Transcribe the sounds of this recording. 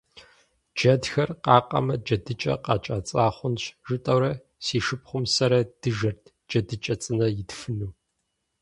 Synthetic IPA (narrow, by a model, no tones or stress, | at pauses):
d͡ʒɐdxɐrqɑːqʼɐ̰mɐd͡ʒɐdɨt͡ʃʼɐ̰qɑt͡ʃʼaːt͡sʼaːχʷʊnɕʒɨtʼɐwɾɐ | siːʃɨpχʷʊmsɐɾɐd̥ɨʒɐrtʰ | d͡ʒɐdɨt͡ʃʼɐt͡sʼɨnɐjɪdfɨnuː